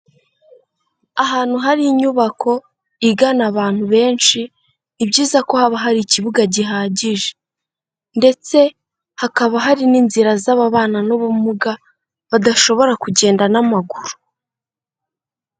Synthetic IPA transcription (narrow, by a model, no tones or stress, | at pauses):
aɦaːn̥huɦaɾiːɲuβakʰo̞ | iɡanaβaːn̥huβe̞ːnʃi | nibɟiːzako̞haβaɦaɾiciβuɡaɟiɦaːɟiʒe | nde̞t͡se̞ | hakaβaɦaɾiniːnziɾazaβaβaːnanoβumuɡa | βadaʃo̞βo̞ɾakuɟe̞ːndanamaɡuɾu̥